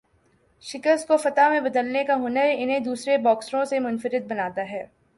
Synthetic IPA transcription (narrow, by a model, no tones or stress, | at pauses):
ʃɪkəɾskofɐt̪amẽbɐd̪əlnekaɦʊnəɾɪnɦẽd̪uːsɾebɔːksɾõsemʊnfəɾɪd̪̚bɐnaːt̪aɦɛː